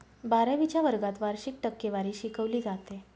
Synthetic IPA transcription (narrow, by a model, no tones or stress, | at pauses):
baɾəʋit͡ɕjaʋəɾɡat̪ʋaɾɕik̚ʈəkːeʋaɾiːɕikəʋliːd͡zat̪e